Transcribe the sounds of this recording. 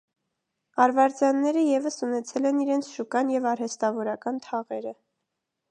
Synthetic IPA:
ɑɾvɑɾt͡sjɑnːɛɾəjɛvəsunɛt͡sʰɛlɛniɾɛnt͡sʰʃukɑnjɛvɑɾhɛst̪ɑvɔɾɑkɑnt̪ʰɑʁɛɾə

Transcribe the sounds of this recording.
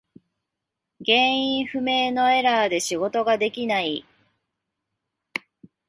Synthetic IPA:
ɡẽ̞ɰ̃ĩɰ̃ɸɯ̟me̞ːno̞e̞ɾaːd̪e̞ɕiɡo̞t̪o̞ɡad̪e̞kʲinai

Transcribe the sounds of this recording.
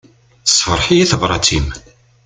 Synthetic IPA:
sˤːfəɾˤħijæθəvɾˤɑt͡sim

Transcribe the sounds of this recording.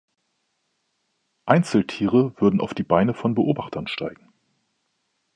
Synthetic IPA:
ʔaɪnt͡sl̩tʰiːʁ̞əv̥ʏɐdn̩ʔa̰ʊfd̥iːbaɪnəfɔnbəʔoːbaχtʰɐnʃtʰa̰ɪɡŋ̩

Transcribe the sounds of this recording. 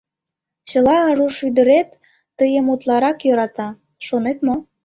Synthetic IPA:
t͡ɕə̆lɑəruʃyd̪ə̆ɾet̪ː | əjəmut̪lˠɑɾɑkjø̆ɾɑt̪ɑ | ʃonet̪mo

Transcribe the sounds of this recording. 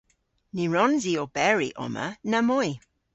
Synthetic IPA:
niɹɔnziobɛɹḭʔɔ̰mə̰nəmoj

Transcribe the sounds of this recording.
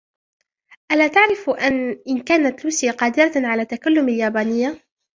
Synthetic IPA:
ʔalaːt̪aʕɾɪfʔanʔɪnkaːnat̪luːsɪjaqɑːd̪ɪɾaʕalaːt̪ːakalːʊmaljaːbaːnɪjːa

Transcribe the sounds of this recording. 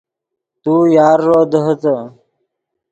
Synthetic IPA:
t̪ujaːɾːoːd̪əɦət̪ə

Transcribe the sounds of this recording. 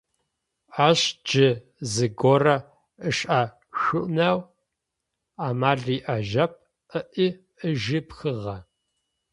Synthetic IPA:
aːɕd͡ʒɪ | zɨɡorɐ | əɕʼʔaː | ʃʊʔnaw | aːmaːɮiːʔɐʒɐp̚ | ʔəʔiː | ʔəʒɪpxɨʁɐ

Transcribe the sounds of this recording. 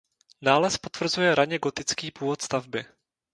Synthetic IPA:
naːlɛspot̪v̥r̩zujɛɾaɲɛɡo̞t̪ɪt͡skiːpuːvot̪st̪avbɪ

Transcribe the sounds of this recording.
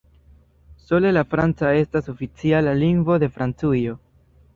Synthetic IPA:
so̞le̞lafɾant͡sae̞staso̞fit͡sialaliŋɡvo̞de̞fɾant͡sujo̞

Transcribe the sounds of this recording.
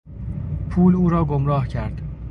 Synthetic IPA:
pʰuːluːɾɒːɡomɾɒːhcʰæɾd̪̥

